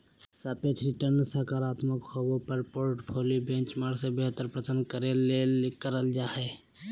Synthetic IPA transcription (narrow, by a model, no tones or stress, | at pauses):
saːpet̪ʰɾiʈəɾnsəkaːɾaːt̪məkhobõpəɾpoɾʈpʰoːlibẽnt͡ʃmaːɽsebeɦt̪əɾpɾət̪ənkəɾelekəɾəld͡ʒaɦɛ